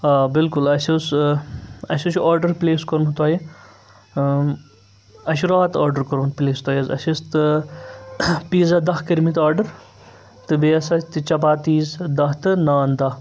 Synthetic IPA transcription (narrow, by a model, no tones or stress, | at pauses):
aːbɪlkulɐsʲus | ɐsʲɐt͡ʃaːɾɖɐɾpleːskoɾmt̪aːji | ɐʃuɾaːt̪aːɾɖəɾkɐɾmt̪pleːst̪oaːjɐzɐ̰sʲist̪ɨ | piːzɐd̪ɐɦkɐɾmit̪aːɾɖɐɾ | t̪ɨbeɐsɐt̪ɨt͡ʃɐpaːt̪iːzd̪ɐɦt̪ɨnaːnd̪ɐɦ